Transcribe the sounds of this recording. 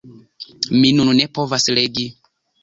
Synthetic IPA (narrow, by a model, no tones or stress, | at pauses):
minunnepo̞vasleɡi